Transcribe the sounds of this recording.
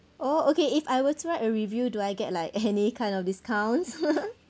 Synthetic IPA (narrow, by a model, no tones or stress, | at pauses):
ʔookeifajwətuɹaɪtəɹivjuduajɡɛt̚laɪkɛnikʰãɪ̃ndɔfdiskʰãw̃ns